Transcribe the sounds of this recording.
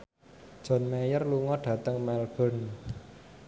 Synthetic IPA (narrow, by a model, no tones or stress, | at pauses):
d̥ʒ̥ɔ̤nmɛjərluŋɔɖ̥ä̤t̪əŋmɛlɡ̥ɔ̤n